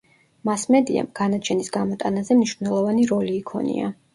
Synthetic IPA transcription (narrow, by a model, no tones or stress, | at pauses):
masmɛd̪ia̰mɡ̥anat͡ʃʰɛnisɡamɔt̪ʼanazɛmniʃvnɛlˠɔvaniɾɔliːkʰɔ̰nḭa̰